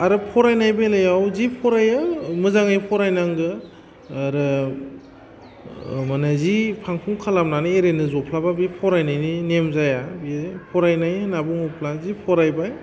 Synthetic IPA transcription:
aɾɯpʰɔɾajnajbalajawzipʰɔɾajɯmɯzaŋajpʰɔɾajnaŋɡɯː | ɾɯ | manazipʰaŋkʰuŋkʰalamnanɯeɾenɯzɔpʰlababipʰɔɾajnajninemzajabipʰɔɾajnajnabuŋɔpʰlazipʰɔɾajbaj

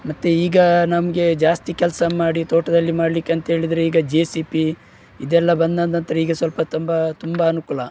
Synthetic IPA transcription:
mɐt̪ːeiːɡɐnɐmɐɡe̞d͡ʒaːst̪ikɛlsɐmaːɽit̪oːʈɐd̪ɐlːimaːɽlikːeɐnt̪ɐɦe̞ːɭid̪ɐɾeiːɡɐd͡ʒeːsipi | id̪ɛlːɐbɐnd̪ɐnd̪ɐnt̪ɐɾeiːɡɐsʋɐlpɐt̪umbɐt̪umbɐːnukulɐ

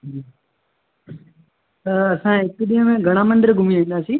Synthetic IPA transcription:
t̪ɐɐsãɦɪkɗiːɦə̃mẽɡʱɐɽ̃amə̃nɖ̪əɾɡʱʊmiʋĩːnd̪aːsiː

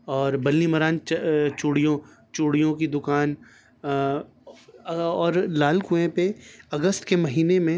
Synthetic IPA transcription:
ɔːɾbɐlnimɐɾaːnt͡ʃt͡ʃuːɽijõ | t͡ʃuːɽijõkid̪ʊkaːn | ɔːɾlaːlkʊẽpeɐɡəst̪kemɐɦiːnemẽ

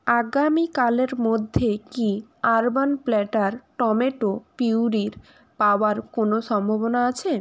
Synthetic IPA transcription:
aɡamikaleɾmod̪ʱːekiaɾbanplɛʈaɾʈɔmeʈopiwɾiɾ | paoaɾkonoʃɔmbʱobonaat͡ɕʰe

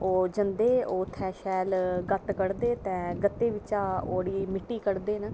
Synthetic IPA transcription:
oːd͡ʒənd̪eːoːt̪ʰɛːʃɛːlɡət̪kəɽd̪eːt̪ɛ̃ːɡət̪ːeːʋɪt͡ʃaːo̰ːɽiːmɪʈːiːkəɽd̪eːnə

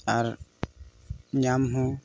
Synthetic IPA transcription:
aɾ | ɲamɦũ

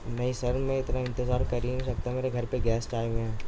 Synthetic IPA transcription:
meːĩsɐɾmẽɪt̪naɪ̃nt̪ɪzaːɾkɐɾiĩsɐk̚t̪aɦɛmeːɾeɡʱɐɾpeɡɛːsʈaːɪjmẽɦɛ̃ː

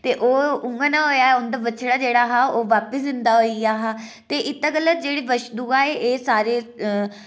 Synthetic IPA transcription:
t̪eːʔoːʊŋɡanãːɦoːjaːeʊnd̪aːbət͡ʃʰɽaːd͡ʒeːɽaːɦaːoːʋaːpəsd̪ɪnd̪aːɦoːiaːɦaːt̪eːʔɪt̪ːaːɡələt̪̚d͡ʒeːɽiːʋəʃd̪uaːeːʔeːsaːɾeː

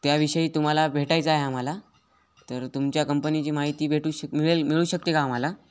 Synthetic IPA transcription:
t̪jaʋiɕəiːt̪um̤alabʱeʈajt͡saɦeam̤ala | t̪əɾt̪umt͡ɕjakəmpənit͡ɕiːmaɦit̪iːbʱeʈuɕəmiɭelmiɭuːɕək̚t̪ekaːm̤ala

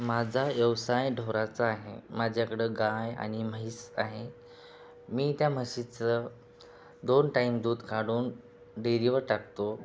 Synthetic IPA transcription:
mad͡zʱajəʋsajɖʱoɾat͡saːɦḛmad͡ʑʱjakɽeɡaja̰ñiməɦisaɦe | miːt̪jam̤əɕit͡sə | d̪onʈaimd̪uːd̪kaɽuːn | ɖeɾiʋəɾʈak̚t̪o

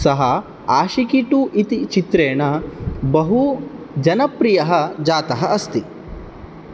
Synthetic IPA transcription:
sɐɦɐ | aːʃikiʈuʔit̪it͡ʃit̪ɾeːɳɐbɐɦu | d͡ʒɐnɐpɾijɐɦɐd͡ʒaːt̪ɐɦɐʔɐst̪i

